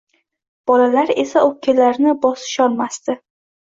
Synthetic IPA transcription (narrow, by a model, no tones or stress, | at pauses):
b̥ɒlalaɾe̞saʔokʲʰːalaɾnɪbɒsɪ̥ʃɒlˠmast̪ɪ